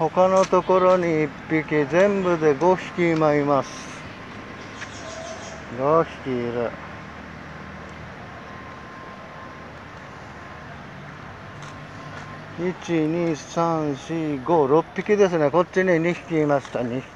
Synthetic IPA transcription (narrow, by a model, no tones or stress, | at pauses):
ho̞kanot̪o̞ko̞ɾoɲiːpːikʲizẽ̞mbɯ̟d̪e̞ɡo̞çʲi̥kʲimaimasɨ̥ | ɡoçi̥kʲiɾɯ | it͡ɕiɲʲisãɰ̃ɕiːɡo̞ːɾopːikʲid̪e̞sɨne̞ko̞tt͡ɕːiɲiɲiçi̥kʲiːmaɕi̥t̪anʲi